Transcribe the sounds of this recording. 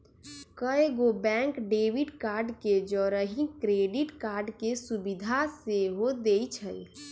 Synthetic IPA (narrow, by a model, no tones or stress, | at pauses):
kəeɡobɛ̃ŋkɖewiɖkaːɾɖked͡ʒɔɾəɦĩkɾeːɖiʈkaːɾɖkesubid̪ʱaseɦod̪eit͡ʃʰəl